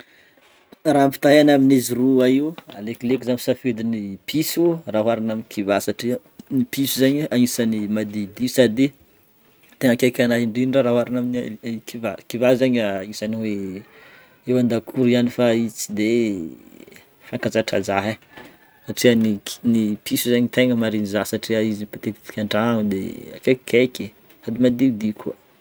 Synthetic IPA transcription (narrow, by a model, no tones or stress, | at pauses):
rampi̥t̪aɦanaminiziruaiwa̰leklekizaɲisafed̪inipʰisuraɦwaɾanaminikʰivasaʈ͡ʂi | nipʰisuzaɲaŋisanimad̪id̪isad̪i | t̪eŋakʲajkʲanaiɳɖ͡ʐiniɖ͡ʐaɾaɦuaɾanaminkivakivazaɲaŋisaniwe | ewand̪akʰuɾianifait͡sid̪e | faŋkat͡saʈ͡ʂa̰d͡zaɦe | saʈ͡ʂiəni̥nipʰisuzaɲt̪eŋəmaɾinizasaʈ͡ʂiaizinipat̪ek̪i̥t̪i̥kʲaɳɖ͡ʐaaŋd̪ḛa̰kekʰekʲe | sad̪imad̪iud̪ikʰuə